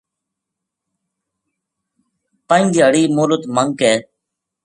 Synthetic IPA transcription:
pəĩŋd͡ʒiəɽiːmoːlət̪məŋkeː

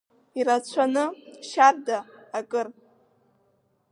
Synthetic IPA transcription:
iɾat͡ɕʷʰanɨʃardaːkʼɨr

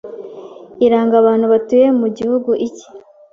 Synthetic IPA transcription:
iɾaːŋɡaβaːn̥huβatuje̞muɟihuɡuʔici̥

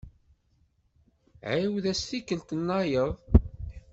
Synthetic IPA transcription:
ʕajwðæsθikːəlt̪ənːɑjəðˤ

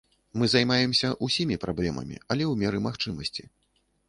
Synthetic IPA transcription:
mɨzajmajɛmsʲɐʔusʲimʲipɾablʲɛmɐ̰mʲḭɐlʲɛwmʲɛɾɨmaxt͡ʂɨmɐsʲt͡sʲi

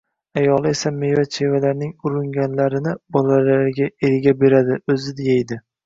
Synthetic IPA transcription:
ajɒlˠɪe̞samejvat͡ʃʰe̞valaɾnɪŋʊɾʊŋɡʲanlaɾɪnɪbɒlalaɾɡʲaeɾɡʲabe̞ɾad̪ɪɵzɪd̪ɪjajd̪ɪ

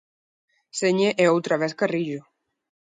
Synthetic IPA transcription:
seɲeʔeowt̪ɾaβɛskariʒo

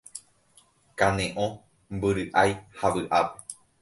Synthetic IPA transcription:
kanẽʔõ | mbɨɾɨʔajhaʋɨʔape

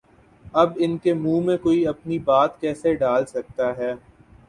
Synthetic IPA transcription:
ɐbɪnkemũːmẽkoːiɐpnibaːt̪kɛːseɖaːlsɐk̚t̪aɦɛː

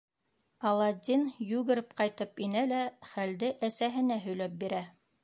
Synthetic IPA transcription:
ɑlˠɑd̪ʲinjʉɡɘ̆ɾɘpqɑjt̪ɤpinælæχæld̪ɘʔæsæɦɘ̆næɦɵ̆jlæp̚biɾæ

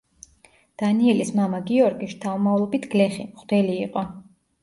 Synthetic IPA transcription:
d̪̥aniɛlismamaɡiɔɾɡiʃt̪ʰaumavlˠɔbit̪ʰɡ̥lɛχimχd̪ɛliːqʼɔ

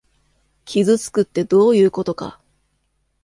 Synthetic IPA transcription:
kʲizɨt͡sɨ̥kɯ̟t̪ːe̞d̪o̞ːjɯ̟ːko̞t̪o̞ka̰

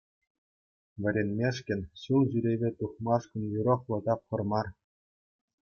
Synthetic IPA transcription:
ʋʲɘ̆ɾʲenʲmʲeʂkʲɘ̆nʲɕulˠʑyɾʲeβʲet̪uχmɑʂkɤ̆njyɾŏχlˠɤ̆t̪ɑp̚χɤ̆rmɑr

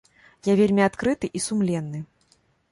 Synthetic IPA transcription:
javʲelʲmʲiat̪kɾɨt̪ɨʔisumlʲɛnːɨ

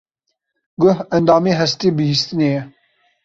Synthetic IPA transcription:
ɡʊhɛnd̪ɑːmeɦɛst̪eːbɨhist̪ɨnejɛ

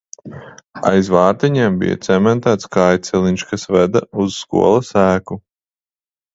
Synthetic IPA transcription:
a̰jzvɑːɾt̪iɲɛːmbḭja̰t̪sɛmɛnt̪æːt̪skajt̪sɛliɲʲʃkasvɛd̪auz̥skṵɔlˠɐsæːku

